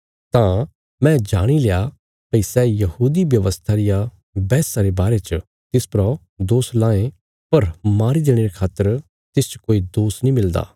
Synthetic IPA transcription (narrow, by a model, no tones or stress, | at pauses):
t̪ã | mɛ̃ːd͡ʒaːɽ̃ileja | pɐisɛːjɐhuːd̪iʋjɐʋəst̪ʰaɾɪja | bɛːsaɾebaːɾet͡ʃə | t̪ɪspɾɔ | d̪oːslãːẽ | pɐɾmaːɾid̪eːɽ̃eɾekʰaːt̪ːəɾ | t̪ɪst͡ʃkoːid̪oːsnĩmɪld̪a̰ː